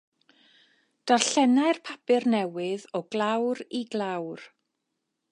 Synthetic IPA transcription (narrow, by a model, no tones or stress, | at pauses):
d̥arɬɛnaɨrpʰapɪrnɛwɪðɔɡ̥lˠawɾiɡlˠawr